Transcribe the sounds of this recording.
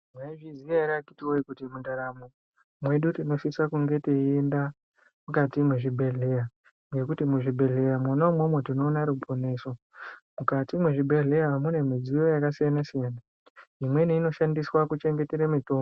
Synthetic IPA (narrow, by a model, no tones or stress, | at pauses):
mwaiʐiziaɾiakitiwoikutimundaɾamo | mwe̞ɗutino̞ʃisakuŋɡe̞teenda | mukatimweʐibʱe̞ɮe̞ja | ŋɡe̞kutimuʐibʱe̞ɮe̞jamwonomwomwetino̞ːnaɾupʰo̞ne̞so̞ | mukatimweʐibʱe̞ɮe̞jamune̞mid͡zijojakasijanasijana | imwe̞niino̞ʃandiswakut͡ʃe̞ŋɡe̞teɾemito̞ː